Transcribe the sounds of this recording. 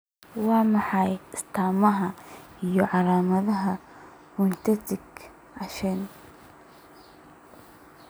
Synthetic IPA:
wɑːmɑħɑjɪst̪ʰaːmɐɦɐ | ijɔʕɑlaːmɐðɐɦɐ | mʊnt͡ʃɐt̪ɪɡ | ʕɑʃɛn

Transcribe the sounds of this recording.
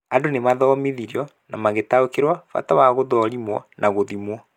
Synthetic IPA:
adonemaðɔmiðiɾiɔ | namaɣetaokeɾwafa̰tawaɣoðɔɾimwɔnʔaɣoðimwɔ

